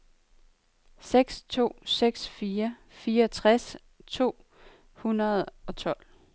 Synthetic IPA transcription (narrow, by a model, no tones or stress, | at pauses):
seɡ̥st͡sʰo̝̰ːseɡ̥sfiːɐ | fiːɐɒt͡sʰʁas | t͡sʰo̝̰ː | hunɐð̞̩ˠɒ̽t͡sʰɒ̽l̰